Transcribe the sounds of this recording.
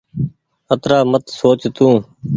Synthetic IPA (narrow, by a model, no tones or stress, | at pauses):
ət̪ɾaːmət̪soːt͡ʃt̪ũː